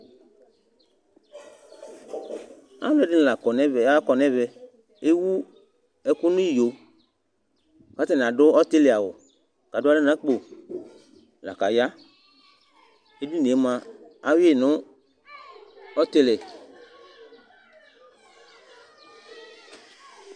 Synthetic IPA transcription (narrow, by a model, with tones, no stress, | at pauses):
a̰˨˦lɛ˦dɪ˦n˨la˨kɔ˨nɛ˦vɛ˨˦a˦kɔ˨nɛ˦vɛ˨ | e˦wu˦ | ɛ˨kʊ˦nʊ̃˦ji˦˨jo˨ | ka˨˦t̪ɛ˦˨n˨ã˨dʊ˦ɔ˦t̪e˦lɛ˨a˨wʊ̰˨ | ka˨da˦ɪ˦nã˨˦k͡po˨ | la̰˨ka˨ja˦ | e˦di˦n˨e˨˦mã˨a˦we˦˨nʊ̃˦ | ɔ˦t̪e˦lɛ˨